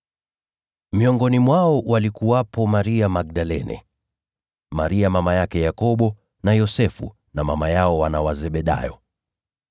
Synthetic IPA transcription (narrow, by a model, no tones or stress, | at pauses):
miɔŋɡɔnimwaɔwalikuwapɔmaɾiamaɡ̚ɗalɛnɛ̰ | maɾiamamajakɛjakɔɓɔ | najɔsɛfṵ | namamajaɔwanawazɛɓɛɗa̰jɔ